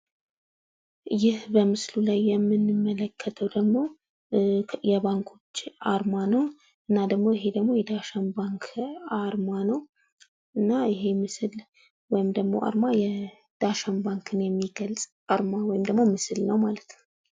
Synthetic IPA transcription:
jɪhbəmɨslulajːɛmːɨnːɨmːələkʰːət̪ʰəwd̪əɡmo̞ | jɛβaŋkʰo̞t͡ʃːaɾmanəw | ʔɨnːad̪əɡmo̞ɪɦe̞d̪əɡmo̞jɛd̪aʃanbaŋkʰaɾmanəw | ɨnːaɪɦe̞mɨsɨl | wɔjɪmd̪əɡmo̞̰ʔa̰ɾmajɛ | d̪̥aʃambaŋkʰɨnjɛmːiɡəlsʼ | aɾmawɔjɪmd̪əɡmo̞mɨsɨlnəwmalət̪ʰnəw

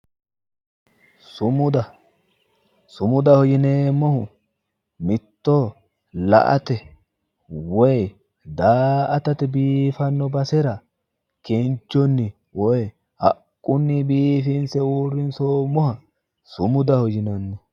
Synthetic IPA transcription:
sʊmʊd̪ɐ | sʊmʊd̪ɐhɔjɪneːmːɔhʊ | mɪt̪ːo | lɐ̰ʔɐ̰t̪ɛ | wɔj | d̪aːʔɐt̪ɐt̪ɛbiːfɐnːɔbɐsɛɾɐ | kent͡ʃːɔnːɪ | wɔj | hɐ̰kʼːʊnːɪbiːfɪnsɛwuːrːɪnsoːmːɔhɐ | sʊmʊd̪ɐhɔjɪnɐnːɔ

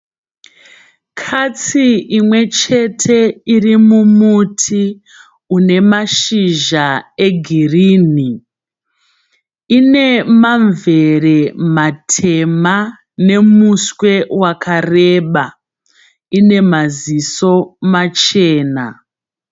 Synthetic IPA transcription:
kʰat͡siimwe̞t͡ʃe̞tʰe̞irimumutʰi | une̞maʃiʒae̞ɡʱiriːni | ine̞maɱve̞re̞matʰe̞ma | ne̞muswe̞wakʰare̞ɓa | ine̞maziso̞mat͡ʃe̞ːna̰

